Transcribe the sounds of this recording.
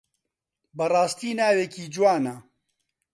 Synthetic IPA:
bɐrˤɑːst̪iːnaːwekiːd͡ʒuwaːna

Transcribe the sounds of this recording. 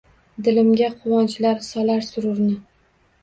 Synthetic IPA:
d̪ɪlɪmɡʲaqʰʊwɒnt͡ʃlaɾsɒlaɾsʊɾʊɾnɪ

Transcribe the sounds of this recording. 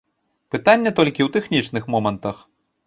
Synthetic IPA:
pɨt̪anʲːɐt̪ɔlʲkʲiwt̪ɛxnʲit͡ʂnɨxmɔmɐnt̪ɐx

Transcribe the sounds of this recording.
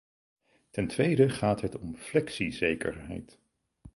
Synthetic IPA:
tɛntʋejdəχaːtɦɛtɔmflɛksizejkə̰ɹɦɛ̰jt

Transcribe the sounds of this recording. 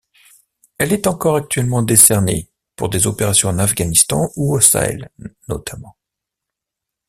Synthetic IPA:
ɛlɛt̪ɑ̃kɔʁak̚t̪ɥɛlmɑ̃d̪esɛʁnḛ | puʁd̪ezɔpeʁasjɔ̃ɑnafɡanist̪ɑ̰̃uosa̰ɛ̰lnɔ̰t̪ʰamɑ̃

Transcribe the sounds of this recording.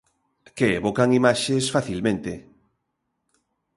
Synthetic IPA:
keeβokaŋimaʃesfaθilmẽnt̪e

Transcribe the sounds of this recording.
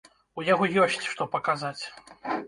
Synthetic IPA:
ujaɣɔjɔsʲt͡sʲʂt̪ɔpɐkazat͡sʲ

